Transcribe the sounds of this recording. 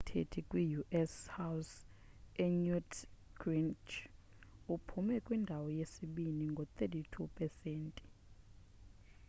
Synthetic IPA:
tʰḛtʰikʼwijuʔɛshaws | ɛɲutɡ̥rint͡ʃ | upʰumɛkʼwindʱawɔjesiɓiniŋɡʱɔt̪ʼetʰitʰupʼɛseːntʼi̥

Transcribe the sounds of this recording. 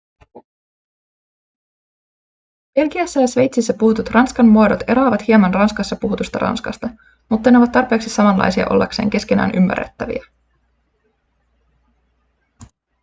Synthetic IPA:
b̥e̞lɡiæsːæjɑsʋe̞jt̪sisːæpuhut̪ut̪rɑnskɑnmuɑdot̪e̞ɾɑːʋɑt̪hiɑmɑnrɑnskɑsːɑpuɦut̪ust̪ɑ̰ɾɑ̰nskɑst̪ɑ | mut̪ːɑneoʋɑt̪ːɑrpeːksisɑmɑnlɑ̰jsiɑ̰ʔo̞̰lːɑ̰kse̞̰ːŋk̟e̞ske̞næ̰ːnʔymːæ̰rːḛt̪ːæʋḭæ

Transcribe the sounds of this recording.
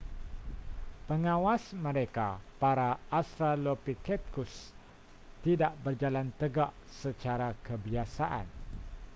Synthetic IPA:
pəŋãwasmə̃ɾeka̰paɾaːst̪ɾalopikɛt̪̚kus | t̪idaʔbərd͡ʒalant̪əɡaʔ | sət͡ʃaɾakəbiasaʔa̰n

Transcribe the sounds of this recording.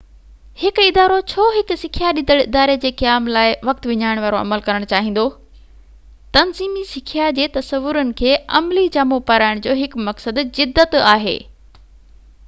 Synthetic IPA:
hɪkɪd̪aːɾot͡ɕʰoːɦɪksɪkʰijaɗɪ̃nd̪əɽɪd̪aːɾed͡ʑeːkijaːmlaːɪʋɐk̚t̪ʋɪɲaːɪɽ̃ʋaːɾoɐ̰məlkɐɾəɽ̃t͡ɕaːɦĩːn̆d̪o | t̪ɐnziːmisɪkʰijad͡ʑeːt̪ɐsəʋːʊɾənɪ̆kʰeːɐ̰mlid͡ʑaːmopɐɾaːɪɽ̃d͡ʑoːɦɪkmɐksəd̪zɪd̪ːət̪aːɦḛː

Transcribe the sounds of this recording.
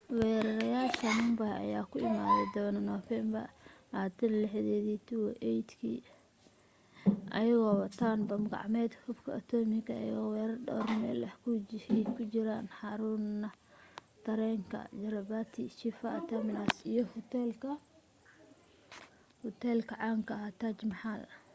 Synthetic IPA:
wɛːɾɐɾɐjaːʃɐnʊmbɐhɛɐ̰jaːkʰʊɪmaːðɛd̪ɔnɐnɔfɛmbɐ̰ʔaːt̪ʰɐnlɛħðɛːðiːt̪ʰʊwɛʔɛjd̪kʰḭ | ʔɐjɪɣɔːwɐt̪ʰaːnbɐmɡɑ̰ʕmɛːd̪hʊbkʰɐɐt̪ʰɔːmɪkʰɐɐ̰jɪ̰ɣɔːwɛːɾɐrɖɔ̰ːrmɛ̰ːlɐkʰkʰʊt͡ʃɪɾaːnħɑɾunɐ | t̪ʰɐɾɛːŋkʰɐ̰d͡ʒɐɾɐbaːt̪ʰiʃɪfat̪ʰɐmɪnasijɔhʊt̪ɛlkʰɐ | hʊt̪ʰɛːlkʰɐʕɑːŋkʰɐɦat̪ʰaːt͡ʃmɑħaːðɐ

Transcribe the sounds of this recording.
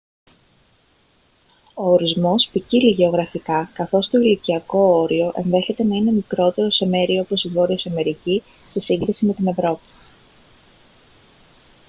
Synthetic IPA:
o̞ːɾizmo̞spiciliʝe̞o̞ɣɾɐfikɐkɐθo̞st̪o̞iliciɐko̞oɾio̞ʔe̞̰nðe̞çe̞t̪e̞nɐine̞mikɾo̞t̪e̞ɾo̞se̞me̞ɾiopo̞sivo̞ɾiosɐme̞ɾici | sesiŋɡɾisime̞t̪ine̞vɾo̞pi̥

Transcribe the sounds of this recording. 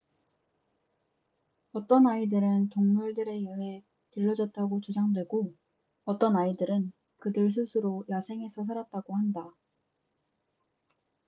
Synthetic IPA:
ʌt͈ʌnaidɯɾɯntoŋmuɭdɯɾe̞jʌɦe̞ | tɯʎːʌd͡ʑʌt̚t͈aɡot͡ɕud͡ʑaŋdwe̞ɡo | ʌt͈ʌnaidɯɾɯn | kɯdɯɭs̬ʰusʰɯɾojasʰeŋe̞sʰʌs̬ʰaɾat̚t͈aɡohanda

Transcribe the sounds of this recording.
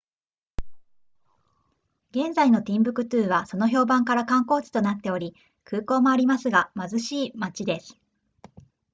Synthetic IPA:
ɡẽ̞nzaino̞t̪ʲĩmbɯ̟kɯ̟t̪ɯːβaso̞no̞ço̞ːbãŋkaɾakãŋko̞ːt͡ɕi̥t̪o̞nat̪ːe̞o̞ɾʲi | kʰɯ̟ːko̞ːmo̞aɾʲimasɨɡamazɨɕiːmat͡ɕid̪e̞sɨ̥

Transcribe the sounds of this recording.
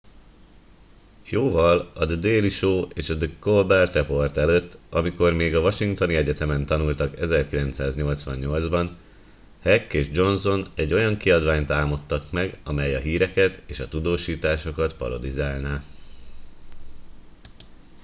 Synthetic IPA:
joːvɒlɒd̪d̪eːliʃoːeːʃɒd̪əkolbɛrt̪ɛpo̞rt̪ɛløt̪ːɒmiko̞rmeːɡɒvɒʃiŋkt̪o̞niɛɟɛt̪ɛmɛnt̪ɒnult̪ɒkɛzɛrkilɛnt̪saːzɲo̞lt̪sʋɒɲɲo̞ldzbɒn | hɛkːeːʒd͡ʒo̞nzo̞nɛɟːo̞jɒŋkiɒd̪ʋaːɲt̪aːmot̪ːɒkmɛɡɒmɛjɒɦiːɾɛkɛt̪eːʃɒt̪ud̪oːʃiːt̪aːʃo̞kɒt̪pɒ̰ɾo̞d̪izaːlnaː

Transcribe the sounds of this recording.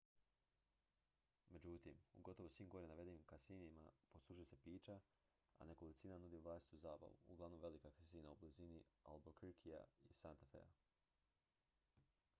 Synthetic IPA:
me̞d͡ʑut̪imṵɡo̞t̪o̞ʋosʋiːmɡo̞ɾenaʋe̞d̪enimkasinima̰po̞slˠuʒuese̞piːt͡ʃa | a̰nekolit̪siːnanud̪iuvlˠaːsit̪uzaːba̰ʋuuɡlˠaʋno̞mʋe̞likakasiːnaublizinia̰lˠbokɾkʰia̰isant̪afḛa̰

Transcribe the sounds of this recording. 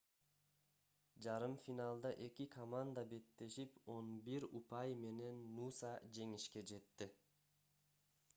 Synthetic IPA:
d͡ʒɑɾɯmfʲinɑlˠd̪ɑʔe̞kikʰomand̪abe̞t̪ːe̞ʃipo̞nbiɾupɑjme̞ne̞nːusɑd͡ʒe̞ŋiʃke̞d͡ʒe̞t̪ːi

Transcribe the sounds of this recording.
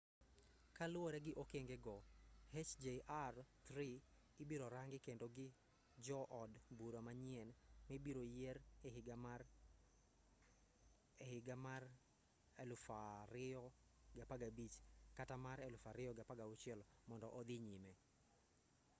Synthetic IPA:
kalʊwɔɾɛɡɪʔokeŋɡeɡɔhet͡ʃd͡ʒeʔart̪ɾi | ɪbiɾoɾaŋɡɪkendoɡɪ | d͡ʒɔʔɔdbuɾamaɲɪɛnmibiɾojeɾhɪɡam | ehɪɡamar | ɛlfaɾɪɔ | ɡapaɡabit͡ʃkatamaɾɛlʊfaɾɪjɔɡapaɡaʊt͡ʃɪɛlmɔndɔʔɔd̪ɪɲimɛ

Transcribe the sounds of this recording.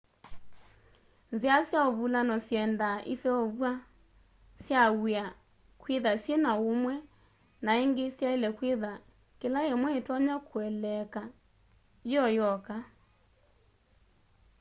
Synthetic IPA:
nzeasjaoβulanɔsjɛndaʔesɛoβwa | sjaa | kweðasjenaomwɛ | naeŋɡesjaelɛkweða | kelaemwɛetɔɲakʰwɛlɛka | jɔjɔka

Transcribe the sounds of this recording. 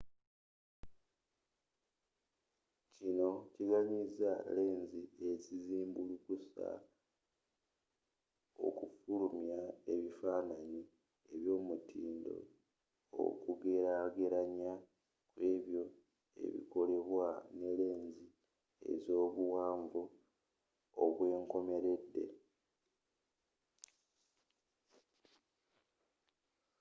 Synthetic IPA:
cino̞ciɡaɲizale̞ːɲzie̞ciziːmbulukusa̰ | o̞̰kufulumjae̞βifaːnani | eβjo̞ːmutʰiːndo̞̰ | o̰kuɡeɾaɡeɾaɲa | kwe̞ːβjo̞ | e̞̰βḭko̞le̞βwane̞le̞ːɲzi | e̞̰zo̞ːβuwaːɱvo | βwe̞ːŋko̞me̞ɾe̞dːe̞̰

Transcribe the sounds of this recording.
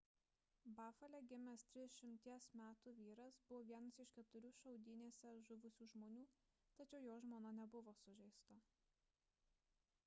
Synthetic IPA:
bɑːfɐlʲɛɡʲɪmʲɛst̪ʲɾʲɪd̪ʲʃʲɪmʲt̪ʲiɛsmʲæːt̪uːʋʲiːɾɐsbʊʋoːʋʲiɛnɐsɪʃʲkʲɛt̪ʊɾʲuːʃɐʊd̪ʲɪnʲeːsʲɛʒʊʋʊsʲuːʒmoːnʲuː | t̪ɐt͡ʃʲɛʊjoːʒmoːnɐnʲɛbʊʋoːsʊʒʲɛɪst̪o

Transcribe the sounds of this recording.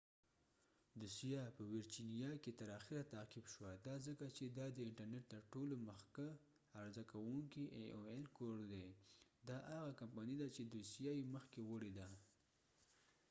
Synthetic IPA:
d̪ʊsijɑpəwɪɾd͡ʒinijɑket̪əɾɑxiɾat̪aqɪbʃwad̪ɑzəkat͡ʃed̪ɑd̪əɪɳʈəɾneʈ̚t̪əɾʈoloməxka | aɾzakawuŋkiʔoelkoɽd̪ed̪ɑʔaɣakampɑnid̪at͡ʃed̪usijajeməxkewəɽid̪a

